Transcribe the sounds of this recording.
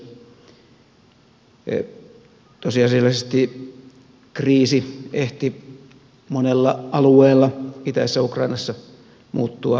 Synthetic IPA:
t̪osiɑselːɑsest̪i | kriːsieht̪i | monelːɑʔɑlueːlːɑit̪æːsːæukrɑinɑsːɑ | muːt̪ːuɑ

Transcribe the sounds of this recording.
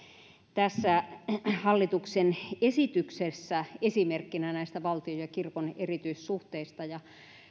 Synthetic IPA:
t̪æsːæhɑlːit̪uksenesit̪yksesːæesimerkːinænæist̪æʋɑlt̪iojɑkirkonerit̪yissuht̪eist̪ɑjɑ

